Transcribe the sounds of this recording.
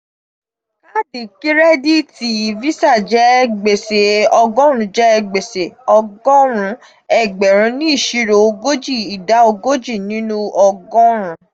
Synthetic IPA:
ka˦di˨ki˦ɾɛ˦di˦ti˧˦˨vi˦sa˦˨d͡ʒɛ˦ɡ͡be˨se˨ɔ˧ɡɔ̃˦ɾ̃ũ˧˦d͡ʒɛ˦˧ɡ͡be˨se˨ɔ˧ɡɔ̃˦ɾ̃ũ˧˦ | ɛ˨ɡ͡bɛ˨ɾ̃ũ˨˧˦nĩ˦i˦˨ʃi˦ɾo˧ɡo˦d͡ʒi˦˨i˨da˨˦o˧ɡo˦d͡ʒi˦˨nĩ˨˦nũ˦ɔ˧ɡɔ̃˦ɾ̃ũ˨˧˦

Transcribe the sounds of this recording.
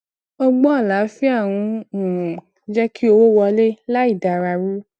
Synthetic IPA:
o˦ɡ͡bɔ˦a˦˨la˨˦fi˦a˦˨w̃ũ˧ũ˨ũ˨ | d͡ʒɛ˦ki˦o˧wo˦wɔ˧le˦la˦i˦˨da˨ɾa˧ɾu˦

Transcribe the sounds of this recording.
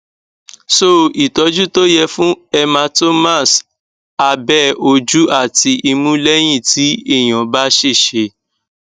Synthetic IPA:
so˦˨i˨tɔ˨˦d͡ʒu˦to˦jɛ˧fũ˦ɛ˧mã˧to˦mã˦˨s | a˧bɛ˦o˧d͡ʒu˦ʔa˦˨ti˧i˧mũ˦lɛ˦j̃ĩ˦˨ti˨˦i˦˨j̃ɔ̃˨ba˦ʃe˦˨ʃe˧˦

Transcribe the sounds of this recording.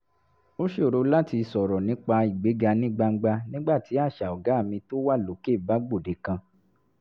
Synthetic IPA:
o˦ʃe˦˨ɾo˧la˦ti˧sɔ˨ɾɔ˨nĩ˨˦k͡pa˧i˨ɡ͡be˨˦ɡa˧nĩ˦ɡ͡ba˧ŋ̩˦ɡ͡ba˧nĩ˦ɡ͡ba˦˨ti˨˦a˦˨ʃa˨ɔ˨ɡa˨˦˨mĩ˧to˦wa˦˨lo˨˦ke˦˨ba˨˦ɡ͡bo˦˨de˨˦kã˧

